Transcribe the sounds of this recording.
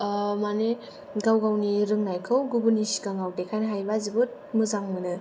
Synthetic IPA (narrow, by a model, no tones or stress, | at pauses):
mane | ɡawɡawniɾɯŋnajkʰɯwɡubunisi̥kaŋawdekʰajnɦajbazibut̚mɯzaŋmɯnɯ